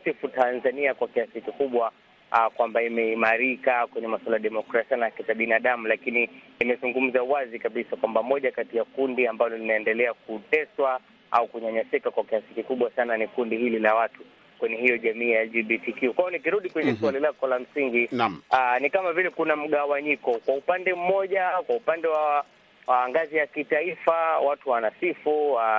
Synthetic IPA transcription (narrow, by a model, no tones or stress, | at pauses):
sifutanzaniakwakiasikikuɓwa | kwambaimɛimaɾikakwɛɲɛmaswalajaɗɛmɔkɾasianakɛtaɓinaɗamulakini | imɛzuŋɡum̩zauwazikaɓisakwambamɔʄakatijakundiambalɔlinaɛndɛlɛak̚utɛswa | a̰ukuɲaɲasɛkakwakiasikikuɓwasananikundihililawatu | kwɛɲɛhijɔʄamiːjaɛld͡ʒiɓitikiukwaɔnikiɾuɗikwɛɲɛsualilakɔlam̩siŋɡianikamavilɛkunam̩ɠawaɲikɔkwaupandɛm̩mɔʄakwaupandɛwa | waŋɡazijakitaifawatuwanasifua